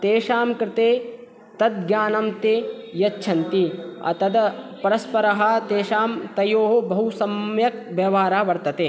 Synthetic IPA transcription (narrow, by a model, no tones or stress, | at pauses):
t̪eːʃaːmkɾɪt̪eː | t̪ɐd̪̚ɡjaːnɐmt̪ejɐt͡ʃʃʰɐnt̪iɐ̰t̪ɐd̪pɐɾɐspɐɾɐɦɐ̆t̪eːʃaːmt̪ɐjoːɦobɐɦusɐmjɐk̚ʋjɐʋaːɾaːʋɐɾt̪ɐt̪eː